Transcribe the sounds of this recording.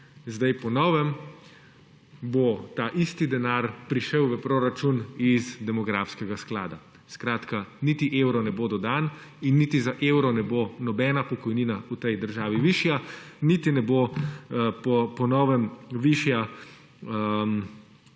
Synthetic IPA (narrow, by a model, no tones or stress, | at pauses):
zd̪ajpɔnɔːʋɛm | bot̪aːʔist̪id̪ɛnaɾpɾiʃəwʋəpɾoːɾat͡ʃunizd̪ɛmɔɡɾafskɛɡasklaːd̪a | skɾaːt̪kaniːt̪iʔeːwɾɔnɛboːd̪ɔd̪aːn | inːit̪izaʔeːwɾɔnɛbonɔbɛːnapɔkɔjniːnaut̪ɛjd̪əɾʒaːʋiʋiʃja | nit̪inɛbo | pɔpɔnɔʋɛmʋiʃja | əm